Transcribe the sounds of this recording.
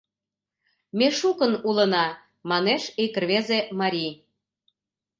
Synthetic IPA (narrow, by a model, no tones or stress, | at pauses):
meʃukənulənɑ | mɑneʃekə̆rβezemɑɾʲij